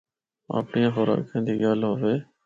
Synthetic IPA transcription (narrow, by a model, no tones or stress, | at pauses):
a̰ːpɳijãːxoɾa̰ːkʰẽːnd̪iːɠaːlɦoːʋeː